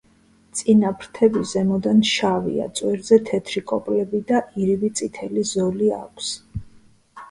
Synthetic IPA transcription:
t̪sʼinapʰɾt̪ʰɛbizɛmɔd̪anʃavḭa̰t̪sʼwɛɾzɛt̪ʰɛt̪ʰɾikʼɔpʼlɛbid̪aʔiɾivit̪sʼit̪ʰɛlizɔlia̰kʷʰs

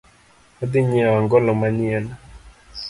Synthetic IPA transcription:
ɔd̪ɪɲiaŋɡɔlɔmaɲɪɛl

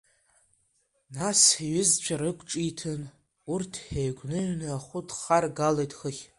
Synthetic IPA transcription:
nasiɥɪzt͡ɕʷʰaɾɨkʷʰʼʈ͡ʂʼitʰɨn | urtʰħejɡʷʼnɨɥnɨaχʷʊdχarɡalejtʼxəχʲ

